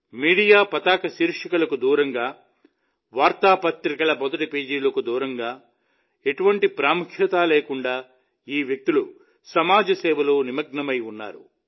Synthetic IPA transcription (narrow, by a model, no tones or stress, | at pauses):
miːɽijaːpɐt̪aːkɐsiːɾʂɐkɐlɐkud̪uːɾɐŋɡaː | ʋaːɾt̪aːpɐt̪ɾikɐlɐbɐd̪ɐʈipeːd͡ʒiːlɐkud̪uːɾɐŋɡaː | e̞ʈuʋɐɳʈipɾaːmukʰjɐt̪aːleːkuɳɖaː | iːʋjɐk̚t̪ilu | sɐmaːd͡ʒɐsɛːʋɐloːnimɐɡ̚ɳɐmɐjunːa̰ːɾṵ